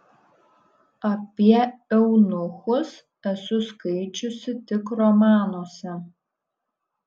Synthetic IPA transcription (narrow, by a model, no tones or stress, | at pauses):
apʲiɛɛwnʊxʊs | ɛsʊskɐɪt͡ʃʊsɪtʲɪkrɔmɑːnoːsʲɛ